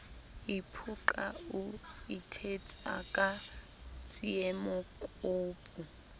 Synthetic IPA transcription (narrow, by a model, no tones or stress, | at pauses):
ipʰuǃʼauitʰet͡sʼa̰kʼa | t͡sʼiɛmɔkʼuːpʼu